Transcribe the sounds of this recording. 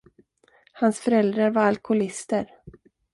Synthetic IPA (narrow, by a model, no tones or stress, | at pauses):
hansfœɾɛld̪ɾaɾvaɾalkʰʊlɪst̪əɾ